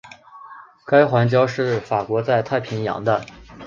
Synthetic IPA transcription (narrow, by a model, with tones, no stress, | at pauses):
ka˥ɪxwa˧˥nt͡ɕjɑ˥ʊʂɻ̩˥˩fa˨˩kwɔ˧˥t͡sa˥˧ɪt̪ʰa˥˩ɪpʰi˧˥njɑ̰˧˥ŋd̪ə˧